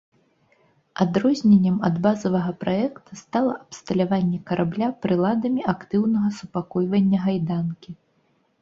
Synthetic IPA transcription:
ad̪ɾɔzʲnʲenʲːɛmɐd̪bazɐvɐɣɐpɾʔaɛkt̪ʰust̪alˠɐʔɐpst̪ɐlʲavanʲːɛkɐɾʔablʲapɾɨlˠad̪ɐmʲiʔakt̪ɨwnɐɣɐsupakɔjvɐnʲːɐɣajd̪ankʲi

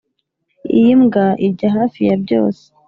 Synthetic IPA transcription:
ijimɡaʔiɟaɦaːfijab̚ɟo̞̰ːse̥

